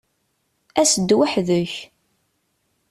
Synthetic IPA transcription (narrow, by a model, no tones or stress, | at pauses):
æsəd̪ːwaħðəç